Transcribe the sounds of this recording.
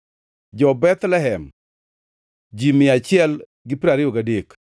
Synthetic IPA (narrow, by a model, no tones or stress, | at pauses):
d͡ʒɔbɛt̪lɛɦɛm | d͡ʒimɪat͡ʃɪɛl | ɡɪpiɾaɾɪoɡadek